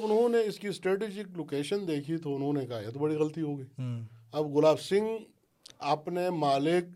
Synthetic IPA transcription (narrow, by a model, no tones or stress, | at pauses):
bʊnɦõneɪskisʈɾeːʈiːd͡ʒɪkloːkeːʃənd̪eːkʰit̪ʰoʊnɦõːnekɐɦaja̰t̪obɐɽiɣɐlət̪iɦoːɡəiːɐbɣʊlaːbsɪ̃ŋɡ | aːpnemaːlɪk̚